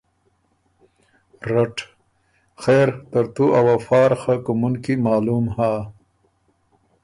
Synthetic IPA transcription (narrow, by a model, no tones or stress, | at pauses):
ɾaʈ | xeːɾt̪əɾt̪uʔawafɑːɾxakumunkimɑːlumhaː